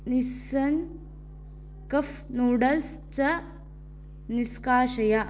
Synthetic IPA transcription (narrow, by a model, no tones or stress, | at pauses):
nisɐn | kɐfnoːɖɐls | t͡ʃɐ | niskaːʃɐjɐ